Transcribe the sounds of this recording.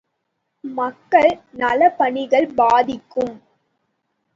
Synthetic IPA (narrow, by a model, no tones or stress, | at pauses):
mɐkːɐɭnɐlɐpɐɳɪɣɐɭbaːðɪkːɯm